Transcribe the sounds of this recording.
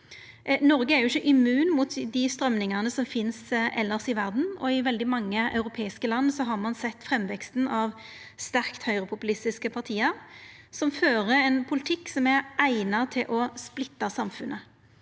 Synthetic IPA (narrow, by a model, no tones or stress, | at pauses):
nɔɾɡəæɾjʊɪçːəʔɪmʉːnmuːt̪d̪ɪst̪ɾœmnɪŋɑnəsɔmfɪnsʔɛlːəʁsɪʋæʁd̪n̩ɔ̰ɪʋɛld̪ɪmɑŋːəʔɑ̰ʉɾʊpʰeːɪskəlɑnːsɔɦɑʁmɑnsɛt̪ːfʁɛmːʋɛkst̪n̩ɑʋ | st̪æʁkt̪hœʏʁəpʰʊpʉlɪst̪ɪskəpʰɑʁt̪ʰiːəɾsɔmføːʁəɛnpʰʊlɪt̪ʰɪkːsɔmæʁʔæɪnɑt̪ʰɪlʔɔsplɪt̪ːɑsɑmfʉnʔə